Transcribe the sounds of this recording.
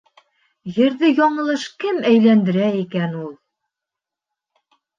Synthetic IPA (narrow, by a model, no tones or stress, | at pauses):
jɘ̆ɾðɘjɒɴɤ̆lˠɤʃkɘmæjlænd̪ɘ̆ɾæikænulˠ